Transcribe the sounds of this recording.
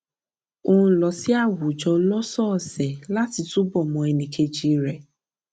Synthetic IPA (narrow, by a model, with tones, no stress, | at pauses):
o˦˨lɔ˨sɪ˦a˦˨wʊ˨d͡ʒɔ˨lɔ˦sɔ˦˨sɛ˨la˦ti˨tu˦bɔ˨mɔ̃˨e˨ni˨kʰe˧d͡ʒi˨ɾe˨